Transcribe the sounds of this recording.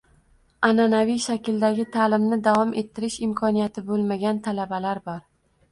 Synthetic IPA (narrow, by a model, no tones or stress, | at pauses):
ananavijʃakʲɪld̪aɡʲɪt̪ʰalɪmnɪd̪avɒmʔe̞t̪ʰːɪɾɪʃɪmkʰɒnijat̪ʰɪbolˠmaɡʲant̪ʰalabalaɾbɒɾ